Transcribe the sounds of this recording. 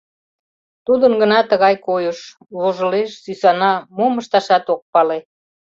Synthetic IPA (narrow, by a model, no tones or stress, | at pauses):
t̪ud̪ənɡənɑt̪əɣɑjkojəʃ | βoʒəleʃsysɑnɑmoməʃt̪ɑʃɑt̪ok̚pɑle